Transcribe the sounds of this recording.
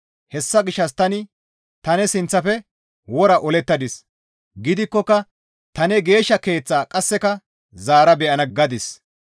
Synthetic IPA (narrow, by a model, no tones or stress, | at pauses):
hɛsːɐɡɪʃːɐst̪ɐnɪ | t̪ɐnɛsɪnt͡sːɐfɛ | wɔɾɐʔɔlɛt̪ːɐd̪ɪs | ɡɪd̪ɪkːɔkːɐ | t̪ɐnɛɡe̞ːʃːɐke̞ːt͡sːaːkʼɐsːɛkɐ | zaːɾɐbɛʔɐnɐɡɐd̪ɪs